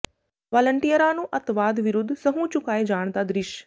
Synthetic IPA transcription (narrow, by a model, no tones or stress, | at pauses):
ʋaːləɳʈijəɾaːnũːʔɐt̪ʋaːd̪ʋɪɾʊd̪ʱːsɐɦũt͡ɕʊkaːed͡ʒaːɽ̃t̪ad̪ɾɪʃ